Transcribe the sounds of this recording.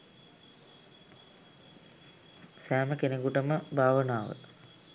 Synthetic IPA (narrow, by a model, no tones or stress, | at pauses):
sæːməkeneɡuʈəməbʱaːʋənaːʋə̰